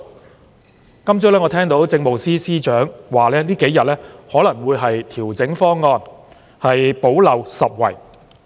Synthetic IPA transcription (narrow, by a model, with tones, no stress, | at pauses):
kɐ˥mt͡sœː˥lɛː˥ŋɔː˨˧t̪ʰɛː˥ŋt̪o˨˥wt͡sɪ˧ŋmo˨wsiː˥siː˥t͡ʃœː˨˥ŋwaː˨˩lɛː˥liː˥ke˨˥jɐ˨t̚lɛː˥hɔː˨˥lɐ˨˩ŋwuː˨˧jɦɐ˨jt̪ʰiː˨˩wt͡sɪ˨˥ŋfɔː˥ŋːɔː˧n | hɐ˨jpo˨˥wlɐ˨wsɐ˨p̚wɐ̰˨˩j